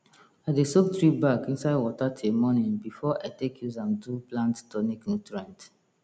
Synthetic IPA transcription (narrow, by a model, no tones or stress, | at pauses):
adesok̚tɹibakĩnsaɪdwɔtatʰemɔnĩnbifɔʔatekʰjuzãmduplãnttɔniknutɹãnt